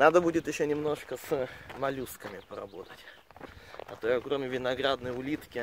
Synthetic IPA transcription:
nad̪əbudʲɪt̪jɪɕːonʲɪmno̞ʂkəsmɐlʲuskəmʲɪpəɾɐ̰bo̞t̪ətʲ | ɐ̰t̪ojəkɾo̞mʲɪvʲɪnɐɡɾad̪nəjʊlʲit̪kʲɪ

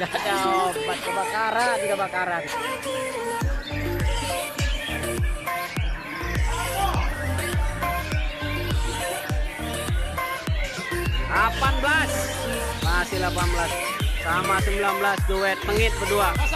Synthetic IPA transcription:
adaopat̪̚ɡabakaɾad̪iɡabakaɾadi | lapanblas | masilapanblas | samasəmbilanbəlasd͡ʒowɛt̪̚məŋɪt̪̚pədua

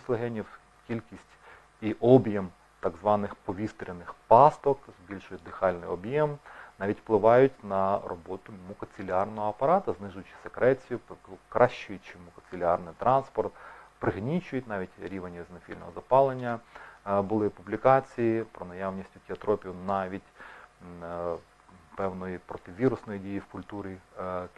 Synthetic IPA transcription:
slˠeɦɛnʲiw | kʲilʲkʲisʲtʲ | iʔɔbjɛm | t̪ɑɡzʋɑnɪxpɔʋʲist̪ɾʲɪnɪxpɑst̪ɔkzbʲilʲʃʊjʊt̚ʲd̪ɪxɑlʲnɪ̰jɔbjɛmnɑʋʲitʲfplˠɪʋɑjʊtʲnɐrɔ̰bɔt̪ʊmʊkɔt͡sʲɪlʲɑrnɔɦɔɐpɐɾɑt̪ɐznɪʒʊjʊt͡ʃɪ̥sekɾɛt͡sʲijʊpkɾʔɑʃt͡ʃʊjʲt͡ʃɪmʊkɔsʲɪlʲɪɑrnɪjt̪ɾʔɑnspɔrt̪pɾɪɦnʲit͡ʃʊjʊtʲnɑʋʲitʲɾʲiʋenʲizʲnɔfʲilʲnɔ̰ɦɔ̰zɐpɑlˠenʲːɐ | bʊlˠɪpublʲikɑt͡sʲijipɾɔnɐjɑwnʲisʲtʲʊtʲiɐt̪ɾɔpʲiwnɑʋʲitʲ | pɛwnɔjipɾɔt̪ɪʋʲiɾʊsnɔjidʲijiwkʊlʲt̪uɾʲi

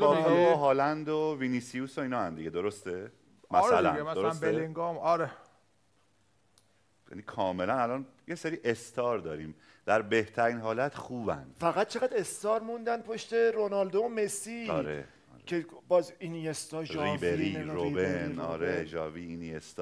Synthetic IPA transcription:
ɒːeoɦɒːlænd̪oviniːsiuːsoiːnɒːænd̪iɟed̪o̞ɾost̪e | mæsɾælæ̰nmæsoɾosbeeleŋɡɒmɒɾe | jæ̰nikʰɒːmelænælɒːnjeseɾiːʔest̪ʰɒːɾd̪ɒːɾiːm | d̪̥æɾbe̞ht̪ʰæɾiːnɦɒːlæt̪ʰxuːbæ̰nd̥̪fæɣæt̪̚t͡ʃʰe̞ɣæd̪e̞st̪ɒːɾmund̪ænpʰo̞ʃt̪e̞ɾonɒld̪omesiɒ̰ːɾḛ | ɾcʰebɒːzinijest̪ɒʒɾiːbeɾiɾobenɒ̰ːɾeʒɒːviinijest̪ː

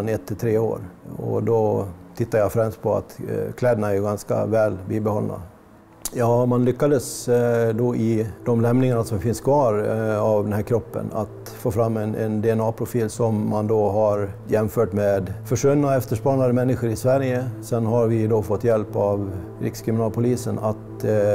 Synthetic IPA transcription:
nɛt̪ʰːɪlt̪ʰɾeːo̰ːɾɔ̰d̪ɔt̪ʰɪt̪ːaɾjafɾɛmst̪̚pʰɔa̰t̪kʰlɛːd̪ənaɛɾjɵɡanska̰vɛːlbiːbɛhɔlna̰ | jɑːmanlʏkːad̪əsd̪ɔʔɪd̪̥ɔmlɛmnɪŋaɳasɔmfɪnskʰvɑːɾavd̪ɛnhæːɾkʰɾɔpːə̰na̰t̪ | foːfɾamːɛnɛnd̪ɛɛnɑːpʰɾʊfiːlsɔmːand̪ɔɦaɾjɛmfœːʈmeːd̪fœʂɵnːaɛft̪əʂpɑːnand̪əmɛnːɪɧəɾɪsvæɾjəsɛnːɦaɾvɪd̪ɔfɔt̪ːjɛlpavɾɪ̰kskʰɾɪmɪnɑːlpʰʊliːsənat̪

